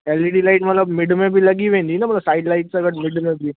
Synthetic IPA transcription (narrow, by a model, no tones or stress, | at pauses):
eːliɖilaɪʈmɐt̪ləbmɪɖmẽbʱilɐɡiʋẽːnd̪inamɐt̪ləbsaːɪɖlaɪʈsəɡəʈmɪɖmẽbʱi